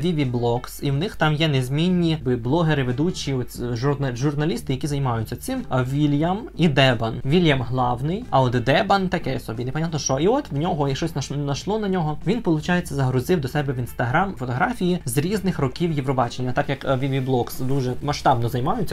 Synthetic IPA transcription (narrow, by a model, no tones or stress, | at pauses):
ʋʲiʋʲiblˠɔksiwnɪxt̪ɑmjɛnezʲmʲinʲːibɪblˠɔɦeɾɪʋed̪ut͡ʃʲiɔtʲʒʊnɐʒʊrnɐlʲist̪ɪjɐkʲizɐjmɑjʊt͡sʲːɐt̪sɪmʋʲilʲjɐmid̪ɛbɐnʋʲilʲjɐmɦlˠɑwnɪjɐɔd̪d̪ɛbɐnt̪ɐkɛjɔsɔbʲinepɐnʲat̪nɔʃt͡ʃɔiɔt̪wnʲɔɦɔiʃt͡ʃɔsʲnɐʃnɐʃlˠɔnɐnʲɔɦɔʋʲinpɔlˠʊt͡ʃɑjet͡sʲːɐzɐɦɾʊzɪwd̪ɔsɛbɛʋinst̪ɐɦɾamfɔt̪ɔɦɾɑfʲijizɾʲiznɪxrɔkʲiwjiʋɾɔbɑt͡ʃenʲːɐt̪ɑkjɐkʋʲiʋʲiblˠɔksd̪uʒɛmɐʃt̪ɑbnɔzɐjmɑjʊt͡sʲːɐ